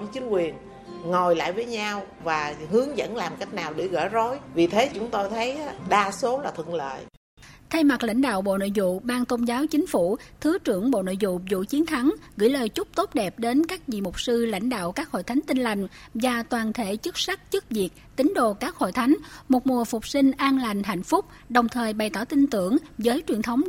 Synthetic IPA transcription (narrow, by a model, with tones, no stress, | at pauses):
t͡ɕï˨˦ŋ̟kwi˨˩ən | ŋo˨˩jla̰ː˧˨jvəː˨˦jɲaː˧w | vaː˨˩hɨ˨˦əŋzə̰˧˥nlaː˨˩mka˦˥jk̟̚naː˨˩wɗe˧˩ɣə̰ː˧˩zo˨˦jvi˨˩t̪ʰe˨˦t͡ɕʊ˨˦ŋ͡mt̪o˧jt̪ʰə˨˦jɗaː˧so˨˦laː˨˩t̪ʰɨ̰˧˨əŋlə̰ː˧˨j | t̪ʰa˧jma˨˩k̚la̰˧˥jŋ̟ɗa̰ː˧˨wɓo̰˧˨no̰˧˨jzṵ˧˨ɓaː˧ŋt̪o˧nzaː˨˦wt͡ɕï˨˦ŋ̟fu˧˩t̪ʰɨ˨˦t͡ɕɨ˧˩əŋɓo̰˧˨no̰˧˨jzṵ˧˨zṵ˧˨t͡ɕi˨˦ənt̪ʰa˨˦ŋɣɨ̰˧˥jləː˨˩jt͡ɕʊ˦˥k͡p̚t̪o˦˥p̚ɗɛ˨˩p̚ɗe˨˦nkaː˦˥k̚zḭ˧˨mʊ˨˩k͡p̚sɨ˧la̰˧˩jŋ̟ɗa̰ː˧˨wkaː˦˥k̚ho̰˧˨jt̪ʰa˨˦ŋ̟t̪i˧ŋ̟la˨˩jŋ̟ | vaː˨˩t̪waː˨˩nt̪ʰe˧˩˥t͡ɕɨ˦˥k̚sa˦˥k̚t͡ɕɨ˦˥k̚vi˨˩ək̚t̪ï˨˦ŋ̟ɗo˧˨kaː˦˥k̚ho̰˧˨jt̪ʰa˨˦jŋ̟mo˨˩t̚mu˨˩əfʊ˨˩k͡p̚sï˧ŋ̟ʔaː˧nla˨˩jŋ̟ɦa̰˧˨jŋ̟fʊ˦˥k͡p̚ | ɗə˨˩wŋ͡mt̪ʰəː˨˩jɓa˨˩jt̪ɔ̰˧˩t̪ï˧nt̪ɨ˧˩əŋzəː˨˦jt͡ɕwi˨˩ənt̪ʰə˨˦wŋ͡m